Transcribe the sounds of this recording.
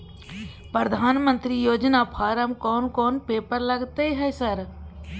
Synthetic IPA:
pɾəd̪ʱaːnmə̃nt̪ɾiːjoːd͡ʒnaːpʰaːɾəmkɔːnkɔːnpeːpəɾləɡt̪eiɦɛsəɾ

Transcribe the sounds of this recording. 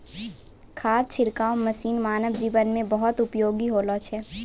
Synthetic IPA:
kʰaːst͡ʃʰɪɾkaːwməsiːnmaːnəʋd͡ʒiːʋənmẽbɐɦɔt̪ʊpjoːɡiɦoːlot͡ʃʰɛ

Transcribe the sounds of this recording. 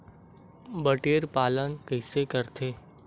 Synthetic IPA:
bəʈeːɾpaːlənkəɪsekəɾt̪ʰeː

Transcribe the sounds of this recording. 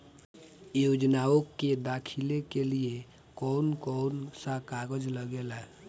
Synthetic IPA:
jod͡ʒnaokːed̪akʰilekelie | kɔnkɔnsakaɡəd͡ʒləɡela

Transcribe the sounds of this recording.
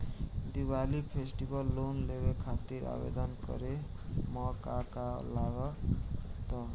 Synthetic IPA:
d̪ibalipʰesʈibʌlːonlebekʰat̪iɾa̰bḛd̪ʌnkʌ̰ɾe | mʌkakalaɡʌ | t̪ʌ

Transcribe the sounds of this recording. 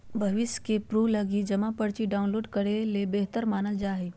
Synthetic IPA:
bʱɐʋɪskepɾuːlɐɡid͡ʒɐmapəɽt͡ʃiɖaːʊ̃nloːɖkɐɽelebeɦt̪əɾmaːnəld͡ʒaːɦe

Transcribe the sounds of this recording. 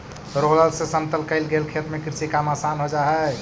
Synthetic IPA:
ɾoləlsesənt̪əlkəɪlɡelkʰet̪mekɾsikamasanɦod͡ʒaɦɛ

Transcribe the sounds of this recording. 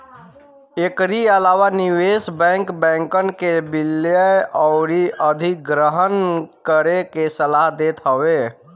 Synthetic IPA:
ekɾiəlaːwaniwesbɛ̃ːŋkbɛ̃ːŋkənkebilːjəɔʊɾiəd̪ʱik̚ɡɾəɦənkəɾekesəlaɦd̪eːt̪ɦəwe

